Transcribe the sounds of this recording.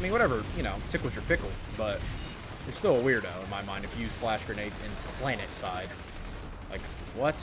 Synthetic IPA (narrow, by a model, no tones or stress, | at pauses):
aɪmĩnwʌɾɛvə˞jɨñoʊtʰɪkl̩ˠzə˞pʰɪkl̩ˠb̥ʌt̚ | ðə˞stɪlˠəwɪɹdðoʊə̃nmaɪmãɪ̃ndɨfjɨsplæʃɡ̥ɹɨneɪtzɨ̰̃npʰl̥æ̃nɨtsaɪd̥̚ | la̰ɪk | wʌts